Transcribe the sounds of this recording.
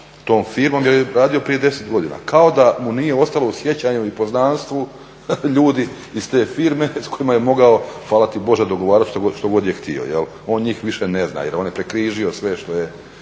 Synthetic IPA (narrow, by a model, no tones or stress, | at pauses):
t̪o̞ːmfiːɾmo̞mjeljeɾaːd̪io̞pɾije̞d̪e̞set̪ɡo̞d̪ina̰kao̞d̪amunije̞o̞st̪alousje̞t͡ɕaːɲuipo̞znaːnst̪ʋu | ʎuːd̪i | iz̥t̪e̞ːfiːɾme̞sko̞jimaje̞mo̞ɡao̞faːlat̪ibo̞ʒed̪o̞ɡo̞ʋaːɾat̪ʃt̪oʃt̪oɡo̞d̪jext̪ḭo̰jḛl | o̞ːnɲiːxʋiʃene̞zna̰jeɾo̞ːnjepɾekɾiːʒio̞sʋe̞ʃt̪o̞je